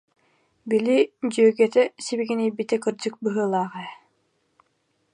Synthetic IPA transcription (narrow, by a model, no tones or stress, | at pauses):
bilid͡ʑyːɡɛt̪ɛsibiɡinijbit̪ɛkɯɾd͡ʑɯk̚bɯɦɯːlˠaːʁɛ